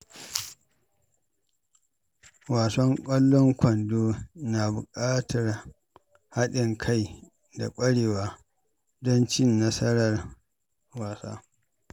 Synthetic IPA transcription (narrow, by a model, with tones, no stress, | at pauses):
waː˨sɔ˦ŋkʷʼɐ˦lːɔ˦ŋkʷɐ˨ndoː˦naː˨bʊ̰˨kʼaː˦tʰɐ˨r | ha˦ɗɪ˨ŋkʰa˦j | da̰˨kʷʼɐ˦ɽeː˨waː˦ | dɔ˦nt͡ʃɪ˦nːɐ˦sɐ˦ɾɐ˨r | waː˨sa̰ː˦